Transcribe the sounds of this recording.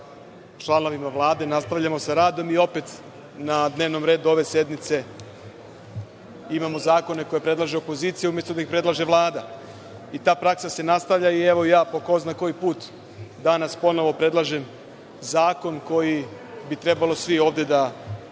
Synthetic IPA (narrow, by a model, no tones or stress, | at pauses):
t͡ʃlˠano̞ʋimaʋlˠaːd̪e̞nast̪aʋʎamo̞saɾaːd̪o̞mio̞pe̞t̪ | nad̪ne̞ːʋno̞mɾeːd̪uo̞ʋe̞se̞d̪nit̪se̞ | imamo̞zaːko̞ne̞ko̞jepɾe̞d̪laʒeopo̞ziːt̪sijumje̞st̪od̪aixpɾe̞d̪lˠaʒe̞ʋlˠaːd̪a | it̪aːpɾaksase̞nast̪aʋʎaieʋo̞ijaːpoko̞znako̞jipuːt̪ | d̪anaspo̞no̞ʋo̞pɾe̞d̪lˠaʒe̞m | zaːko̞nko̞ji | bit̪ɾe̞balˠo̞sʋio̞ːʋd̪e̞d̪a